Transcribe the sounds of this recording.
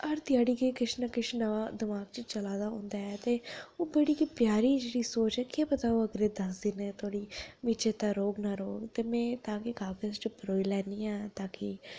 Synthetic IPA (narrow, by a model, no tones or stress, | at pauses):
əɾt̪ɪjaːɽiːkekɪʃnakɪʃnəʋaːd̪ɪmaːɡt͡ʃt͡ʃəlaːd̪aːɦõ̰ːnd̪aːɛːt̪eːoːbeːɽiːkipjaːɾiːd͡ʒeːɽiːsoːt͡ʃɛːkeːpət̪aːoːəɡɾeːd̪əsd̪ɪnɛːt̪ʰoːɽiːmiːt͡ʃeːt̪aːɾoːɡnaːɾoːɡt̪eːmɛ̃ːt̪ãːkɪkaːɡəzt͡ʃɪpɾoːilɛːniːãːt̪aːkɪ